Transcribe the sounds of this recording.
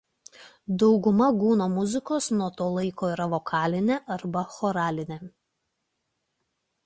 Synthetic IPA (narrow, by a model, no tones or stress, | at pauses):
d̪ɒʊɡʊmɐɡuːnoːmʊzʲɪkoːsnuɔt̪oːlˠɐɪkoːiːɾɐʋoːkʰɑːlʲɪnʲeʔɐɾbɐxoːɾɑːlʲɪnʲe